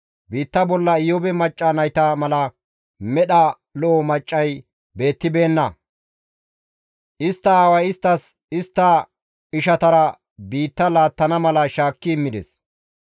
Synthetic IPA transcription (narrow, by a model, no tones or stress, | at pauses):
biːt̪ːɐbɔlːɐɪjɔbɛmɐt͡ʃʼːɐnɐjt̪ɐmɐlɐ | mɛɗɐ | lɔːmɐt͡ʃʼːɐj | be̞ːt̪ːɪbe̞ːnːɐ | ʔɪst̪ːɐaːwɐjɪst̪ːɐs | ɪst̪ːɐ | ɪʃɐt̪ɐɾɐ | biːt̪ːɐlaːt̪ːɐnɐmɐlɐʃaːkːɪːmːɪd̪ɛs